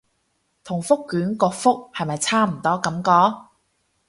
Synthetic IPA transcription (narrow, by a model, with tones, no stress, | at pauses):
t̪ʰʊ˨˩ŋfʊ˥kːyː˨˥nkɔː˧fʊ˥k̚hɐ˨jmɐ˨jt͡sʰaː˥m̩˨˩t̪ɔː˥kɐ˨˥mkɔː˨˧